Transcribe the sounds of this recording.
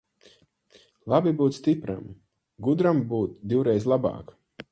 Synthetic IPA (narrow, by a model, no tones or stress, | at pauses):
lˠabibuːt̪st̪ipɾa̰m | ɡud̪ɾambuːt̪d̪iwɾɛjzlˠabɑ̰ːk